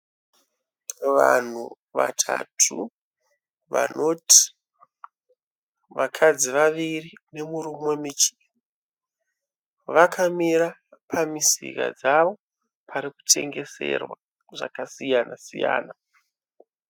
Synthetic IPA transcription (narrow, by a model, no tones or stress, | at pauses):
ʋan̤u | ʋa̰tʰa̰tʰṵ | ʋa̰no̞ti̥ | ʋakʰad͡ziʋaʋirine̞muɾumwemit͡ʃi̥ | ʋakʰamiɾapʰamisḭka̰d͡zaʋo̞ | pʰaɾiku̥tʰe̞ŋɡe̞se̞̰rwa | ʐa̰kasijanasija̰ːna